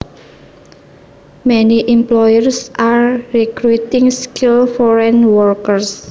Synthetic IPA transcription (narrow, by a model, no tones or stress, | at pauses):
mɛniʔimplɔjərsʔarɾikɾut̪ɪŋskilfɔɾɛnwɔrkərs